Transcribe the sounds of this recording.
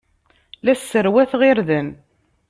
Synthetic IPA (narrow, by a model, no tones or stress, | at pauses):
læsːəɾwæθʁɪɾðən